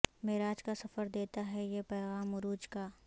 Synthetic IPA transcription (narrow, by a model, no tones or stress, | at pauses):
mɪɾaːd͡ʒkasɐfəɾd̪eːt̪aɦɛjepɛːɣaːmʊɾuːd͡ʒkaː